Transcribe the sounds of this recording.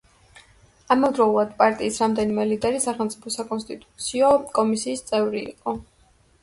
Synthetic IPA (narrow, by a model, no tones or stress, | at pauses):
amɔvd̪ɾɔulˠad̪̥pʼaɾt̪ʼiːsɾamd̪ɛnimɛlid̪ɛɾisaχɛlˠmt̪sʼipʰɔsakʼɔnst̪ʼit̪ʼut̪sʰiɔkʼɔmisiːst̪sʼɛvɾḭːqʼɔ